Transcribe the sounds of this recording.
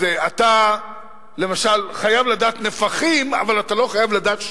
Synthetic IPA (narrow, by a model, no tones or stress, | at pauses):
eat̪a | le̞maʃalχajavlad̪aːt̪nefaχima̰valat̪alo̞χajavlad̪aːt̪